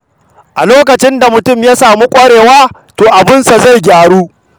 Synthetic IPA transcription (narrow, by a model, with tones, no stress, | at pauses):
ʔa˨loː˦kɐ˨t͡ʃɪ˦nda˨mʊ˨tʊ˦mjaː˦saː˨muː˦kʷʼɐ˦ɽeː˨waː˦ | toː˨ʔa˨bɪ˦nsa˨za˦˨jɡʲaː˨ɽuː˦